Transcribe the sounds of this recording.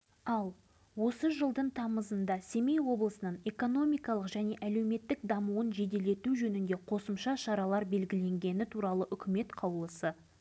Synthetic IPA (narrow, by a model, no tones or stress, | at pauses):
ɑlˠ | wo̞səʒəlˠd̪əɴt̪ʰɑməzənd̪ɑse̞mejwo̞blˠəsənəɴe̞ko̞no̞mijkɑlˠəqʒæne̞ʔæle̞wme̞t̪ːɪk̚d̪ɑmuənʒe̞d̪e̞le̞t̪uʒɵnɪnd̪e̞qʰo̞səmʃɑʃɑɾɑlˠɑɾbe̞lɡʲɪle̞ŋɡʲe̞nɪt̪ʰuɾɑlˠəʔʏkʲɪme̞t̪qʰɑwlˠəsə